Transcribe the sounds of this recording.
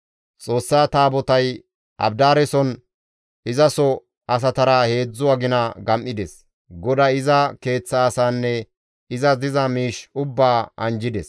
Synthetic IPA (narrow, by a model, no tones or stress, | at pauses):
t͡sʼo̞ːsːaːt̪aːbɔt̪ɐj | ʔɐ̰bd̪aːɾɛsɔn | ɪzɐsɔ | ɐs̬ɐt̪ɐɾɐhe̞ːd͡zːʊwaɡɪnɐɡɐmʔɪd̪ɛs | ɡɔd̪ɐɪzɐke̞ːt͡sːɐːsaːnːɛ | ɪzɐzɪzɐmiːʃʊbːaːɐnd͡ʒɪd̪ɛs